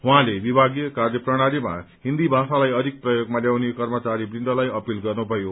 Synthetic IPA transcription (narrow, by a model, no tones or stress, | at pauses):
wɦãlebibʱaɡijʌkarjʌprʌɽ̃aɾima̰ɦind̪ibʱasalajʌd̪ʱik̚prʌjoɡmaljawnekʌrmʌt͡saɾibrind̪ʌlajʌpilɡʌrnubʱʌjo